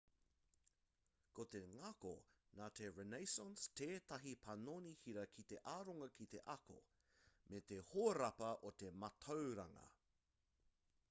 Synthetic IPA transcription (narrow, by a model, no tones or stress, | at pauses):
kot̪eŋɐko̰naːt̪ʰeɹenejsənsteːt̪ɐɦipʰɐnoːnihiɾɐkʰit̪eʔaːɾoŋɐkʰit̪eʔɐko̰ | met̪ehoːɾɐpɐʔot̪emɐt̪ʰowɾɐŋɐ̰